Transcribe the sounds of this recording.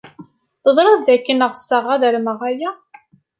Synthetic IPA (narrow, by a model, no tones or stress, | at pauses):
θəzˤɾˤɑððækːənəʁsːəʁæðəɾməʁæjæ